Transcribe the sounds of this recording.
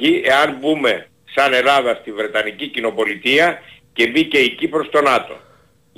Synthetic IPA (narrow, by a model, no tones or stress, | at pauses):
ie̞ɐnbume̞ | sɐne̞lɐðɐst̪ivɾe̞t̪ɐnicicino̞po̞lit̪iɐce̞bice̞icipɾo̞st̪o̞nɐt̪o̞̰